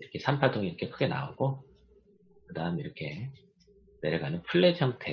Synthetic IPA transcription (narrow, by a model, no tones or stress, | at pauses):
iɾʌkʰe̞sʰampʰatʰoŋiɾʌkʰe̞kʰɯɡe̞na̰oɡ̥o | kɯdaɯmiɾʌkʰe̞ | neɾeɡanɯnpʰuɭːet͡ɕʰʌmtʰe